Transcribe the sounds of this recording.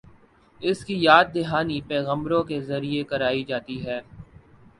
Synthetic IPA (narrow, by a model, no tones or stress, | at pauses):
ɪskijaːd̪̚d̪ɪɦaːnipɛːɣə̃mbɾõkezɐɾiekɐɾaːid͡ʒaːt̪iɦɛː